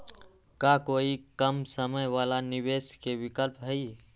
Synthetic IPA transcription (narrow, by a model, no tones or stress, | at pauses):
kakoːikəmsəməjʋaːlaniʋeːskeʋɪkəlpɦəi